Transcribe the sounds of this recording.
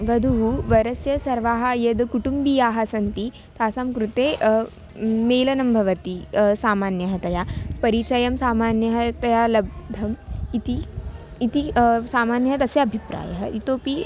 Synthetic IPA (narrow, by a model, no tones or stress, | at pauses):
ʋɐd̪ʱuɦuʋɐɾɐsjɐsɐɾʋaːɦɐjɐd̪kuʈumbijaːɦɐsɐnt̪i | t̪ʰaːsɐmkɾut̪eː | meːlɐnɐmbʱɐʋɐt̪isaːmaːnjɐɦɐt̪ɐjaːpɐɾit͡ʃɐjɐmsaːmaːnjɐɦɐt̪ɐjaːlɐb̚d̪ʱɐmit̪iː | t̪isaːmaːnjɐɦɐt̪ɐsjɐɐbʱipɾa̰ːjɐɦɐʔit̪oːpi